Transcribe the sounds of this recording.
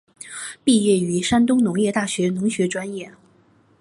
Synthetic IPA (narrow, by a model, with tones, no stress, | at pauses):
pi˥˧jɛ˥˩y˧˥ʂa˥nt̪̬ʊ˥ŋnʊ˧˥ŋjɛ˥˧t̪a˥˩ɕɥɛ˧˥nʊ˧˥ŋɕɥɛ˧˥ʈ͡ʂwa˥njɛ˥˩